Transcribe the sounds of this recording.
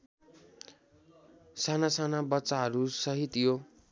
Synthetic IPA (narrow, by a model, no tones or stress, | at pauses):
sanasanabʌtːsaɦʌɾusʌɦit̪jo